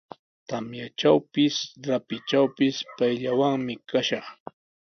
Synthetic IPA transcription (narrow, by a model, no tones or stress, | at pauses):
t̪amjat͡ʃawpɪsɾapɪt͡ʃawpɪspajʎawaŋmɪkaʃɑχ